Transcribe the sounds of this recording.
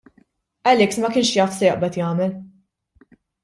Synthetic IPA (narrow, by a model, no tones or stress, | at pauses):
ʔɛlɛksmɐkɪːnʃjɐt̪sɛjɪʔbɛt̪jɐːmɛl